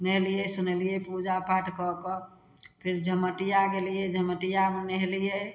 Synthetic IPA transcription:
nɛɦlijesunelijepud͡ʒapʰaʈkɔkɔ | pʰɪɾd͡ʒʱəməʈijaɡelijed͡ʒʱəməʈijamenɛɦlije

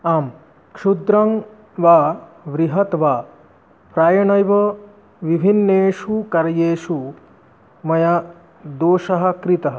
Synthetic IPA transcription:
aːm | kʂud̪ɾɐŋ | ʋaːʋɾiɦɐt̪ʋaː | pɾaːjɐɳɐjʋɐ | ʋibʱinːeːʂukɐɾɐjeːʂu | mɐjɐ | d̪oːʃɐɦɐ̆kɾit̪ɐɦɐ̆

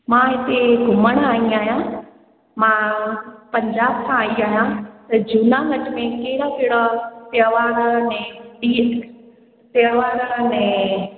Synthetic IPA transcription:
mãɦɪt̪eɡʱʊməɽ̃aːĩaːɦijã | mãpɐ̃ɲd͡ʑaːbkʰãaːiaːɦjãt̪ɐd͡ʑuːnaŋɡɐʈmẽkeɦɪɽakɪɪɽap̪jəʋaːɾnɛ̃ɗiː | t̪jəʋaːɾnɛ̃

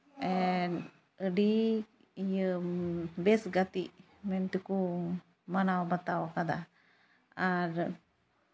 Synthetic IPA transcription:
ɛn | əɖi | ijə | bɛsɡat̪i | mɛnt̪uku | manawbat̪awakad̪a | aɾ

